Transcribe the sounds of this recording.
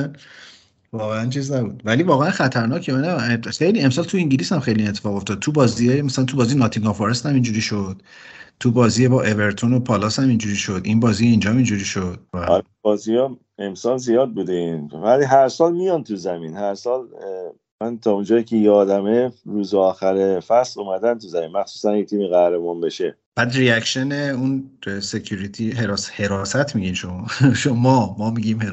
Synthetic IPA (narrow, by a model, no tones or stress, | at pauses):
vɒːɣeænt͡ʃʰiːznæbuːd̪̥vælivɒːɣeænxæt̪ʰæɾnɒːcʰnæxejliːe̞msɒːlt̪ʰuĩŋɟiliːsæmxe̞jliinet̪ʰːe̥fɒːɣo̞ft̪ɒd̪̚t̪ʰubɒːziejemæsælænt̪ubɒːzijnɒːt̪ʰiŋɡɒfoɾest̪æmind͡ʒuɾiːʃod̪̥t̪ʰubɒːziːjebɒʔe̞ve̞ɾt̪ʰono̞pʰɒlɒːshæmind͡ʒuɾiːʃod̪inbɒːziːeiːnd͡ʒɒmind͡ʒuɾiːʃo̞d̪̥̚vɔ̰ɾ | bɒːziɒ | emsɒlzijɒːd̪̚bud̪einvæliɦæɾsɒːlmijɒnt̪ʰuzæminhæɾsɒːl | mænt̪ʰɒːund͡ʒɒːjicʰejɒːd̪æmeɾuːzeɒːxæɾefæslumæd̪ænt̪ʰuzæminmæxsu̥ːsænjet̪ʰiːmiɣæhɾebɔnbeʃe | b̥æːd̪riæcʃeneunsecʰuɾit̪ʰiɦeɾɒːshe̞ɾɒsæt̪ʰmiɟiːnʃomɒʃomɒmɒːmiɟimhe